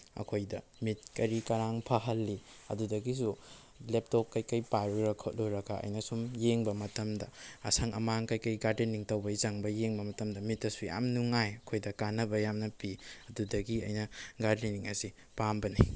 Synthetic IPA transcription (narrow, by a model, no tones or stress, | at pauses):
ɐ̰kʰojdɐ | mit̚kɐɾikɐɾaŋpʰɐɦɐlːi | ɐ̰dudɐɡisu | lep̚top̚kɐjkɐjpaɾuɾɐkʰot̚luɾɐɡɐʔɐ̰jnɐsumjeŋbɐmɐtɐmdɐːsʰɐŋɐ̰maŋkɐjkɐjɡaɾdeniŋtɐwbɐizɐŋbɐjeŋbɐmɐtɐmdɐmitːɐsuja̰mnuŋajɐkʰojdɐkanɐbɐjamnɐpiɐdudɐɡiɐ̰jnɐɡaɾdiniŋɐsi | pambɐni